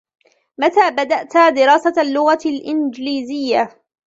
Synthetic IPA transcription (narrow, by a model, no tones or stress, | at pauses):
mat̪aːbad̪aʔt̪aːd̪ɪɾɑːsalːʊɣalʔɪnd͡ʒliːzɪjːa